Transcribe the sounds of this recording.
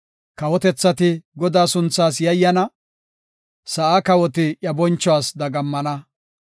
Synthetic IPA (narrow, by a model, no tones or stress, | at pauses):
kɐwɔt̪ɛt͡sːɐt̪ɪɡɔd̪aːsʊnt͡sːaːs̬jɐjːɐnɐ | sɐʔakɐwɔt̪ɪʔjɐbɔnt͡ʃːɔwaːsd̪ɐɡɐmːɐnɐ